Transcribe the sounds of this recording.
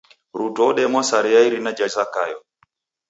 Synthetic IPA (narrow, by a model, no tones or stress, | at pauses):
ɾutɔɗɛmwasaɾiaiɾinad͡ʒazaka̰jɔ